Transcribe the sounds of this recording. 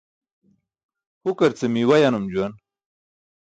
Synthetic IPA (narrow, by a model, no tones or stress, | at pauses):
hukaɾt͡semiwajanumd͡ʑuwan